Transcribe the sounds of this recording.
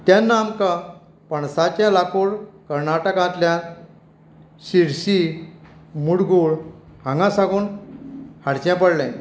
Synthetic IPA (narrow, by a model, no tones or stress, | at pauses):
t̪janːamka | pəɳsat͡ɕjãlakoɽkəɾnaʈəkãt̪ljã | ɕiɽɕi | muɽɡuːɭ | hãŋɡãsaɡuːn | haɽt͡ɕjãpəɽlɛ̃